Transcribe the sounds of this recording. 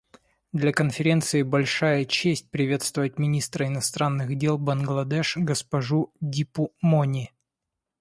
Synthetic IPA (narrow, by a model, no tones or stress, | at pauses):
d̪lʲɐkənfʲɪɾʲe̞nt̪sɨɪbɐlʲʂajət͡ɕesʲt̚ʲpɾʲɪvʲet̪st̪vʊvət̚ʲmʲɪnʲist̪ɾəɪnɐst̪ɾanːɨɣdʲelˠbɐnɡlˠɐd̪ɛʂɡəspɐʐudʲipʊmonʲɪ